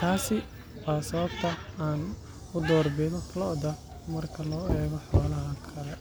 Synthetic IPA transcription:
t̪ʰaːsɪ | waːsɐβɐbt̪ʰɐaːn | ʊd̪ɔːrbɛːðɔlɔd̪ɐ | mɐrkʰɐlɔːɛːɣɔħɔalɐɦɐkʰɐlɛ

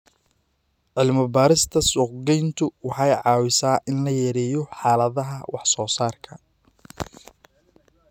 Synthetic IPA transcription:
ʕɪlmɐbaːɾɪst̪ʰɐsʊqɡɛjnt̪ʰʊwɑħɑjʕɑːwɪsaːʔɪnlɐjɐɾɛːjɔħɑːlɐðɐɦɐwɑħsɔːsaːrkʰɐ

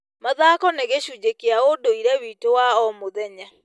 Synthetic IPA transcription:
maðakɔneɣeɕuːd͡ʑekeaodoiɾɛwiːtowaɔmoðɛɲa

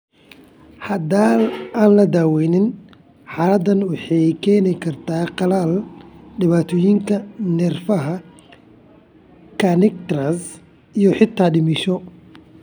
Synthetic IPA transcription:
ħɐd̪aːlaːnlɐd̪aːwɛjnɪn | ħɑːlɐd̪ɐnwɑħɑjkʰɛːnɪkʰɐrt̪ʰaːqɑlaːlɖɪβaːt̪ʰɔːjɪŋkʰɐnɛrfɐɦɐ | kʰɐnɛk̚t̪ɾɐs | ijɔħɪt̪ʰaːɖɪmɪʃɔ

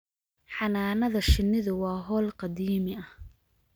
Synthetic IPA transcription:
ħɑnaːnɐðɐʃɪnːɪðʊwɑːɦɔːlqɑd̪iːmɪɐh

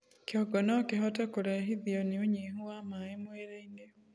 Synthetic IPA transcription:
kjɔɡɔnɔkeɦɔtɛkoɾaɦiðjɔneoɲeɦuwamaemweːɾeine

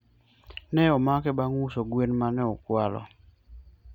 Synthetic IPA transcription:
nɛɔmakɛbaŋusoɡwenmanɛɔkwalɔ̰

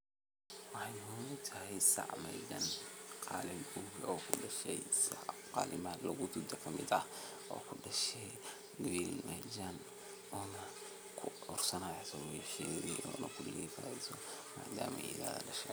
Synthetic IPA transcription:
wɑħɑjuːmʊt̪ʰɐɦɛjsɑ̰ʕmɛ̰jɡɐnqɑ̰ːlɪmɡuɡɔːkʰʊɖɐʃɛjsɑqɑːlɪmaːd̪lɐɣʊd̪ʊd̪ɐkʰɐmɪd̪ɐ | ʔɔ̰ːkʰʊɖɐʃɛj | lilmɐd͡ʒan | ɔːnɐ | kʰʊʊrsɐnaːsɔwɛʃɛːðɛ̰ʔɔ̰ːnɐkʰʊlliːfa̰ːɛsɔma̰ːd̪aːmɛ̰ɪ̰ða̰ːðɐ̰ɖɐʃɛ

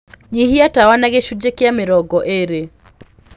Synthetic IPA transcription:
ɲihiatawanaɣeʃud͡ʒɛkiameɾɔɡɔʔeɾɛ

